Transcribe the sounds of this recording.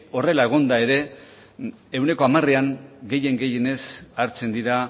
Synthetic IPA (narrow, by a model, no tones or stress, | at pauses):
o̞re̞lae̞ɣ̞o̞nd̪ae̞ɾe̞ | ewne̞ko̞amareaŋɡe̞je̞ŋɡe̞je̞ne̞saɾt͡se̞nd̪iɾa